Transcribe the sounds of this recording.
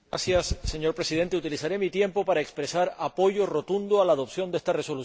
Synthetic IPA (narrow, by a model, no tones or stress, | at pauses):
asjasːe̞ɲo̞ɾpɾe̞sið̞e̞nt̪e̞ut̪ilisaɾe̞mit̪je̞mpo̞paɾae̞kspɾe̞saɾapo̞ʝo̞ro̞t̪und̪oalaːðo̞psjo̞nd̪e̞st̪are̞so̞lu